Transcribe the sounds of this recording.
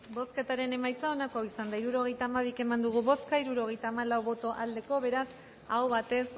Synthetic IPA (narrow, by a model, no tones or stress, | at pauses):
bo̞ske̞t̪aɾe̞ne̞majt͡saonakoawisand̪aiɾuɾo̞ɣ̞e̞jt̪aːmaβ̞ike̞mand̪uɣ̞uβo̞skaiɾuɾo̞ɣ̞e̞jt̪aːmalawβo̞t̪o̞ʔald̪e̞ko̞βe̞ɾas | awβat̪e̞s